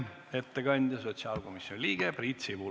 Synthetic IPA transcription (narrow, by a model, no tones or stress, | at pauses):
et̪ːekɑnʲd̪ʲjɑso̞t̪ʲsiɑlko̞misjonʲliːɡ̥eprit̪ʲsiʋu